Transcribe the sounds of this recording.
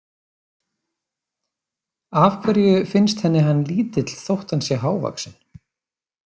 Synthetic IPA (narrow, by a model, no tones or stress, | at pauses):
avkʰvɛɾjʏfɪnst̪hɛnːɪɦanːliːt̪ɪt̪l̥θowht̪ansjɛɦaːwva̰ksɪn